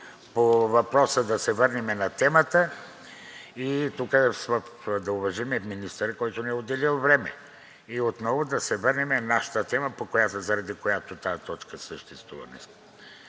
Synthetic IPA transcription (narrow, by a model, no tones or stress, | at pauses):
povɐpɾɔsəd̪ɐsɛvəɾnɛmɛnɐt̪ɛmət̪ə | it̪ukəsvəfd̪ɐʊvɐʒimɛminist̪əɾəkɔjt̪onɛɛod̪ɛlilˠvɾɛmɛ̰ | iot̪nɔvod̪ɐsɛvəɾnimɛnaʃə̥t̪ət̪ɛməpokojat̪ozɐɾɐd̪ikojat̪ot̪ajt̪ɔt͡ʃkəsəʃt̪ɛst̪vṵvɐ̰nɛ̰sk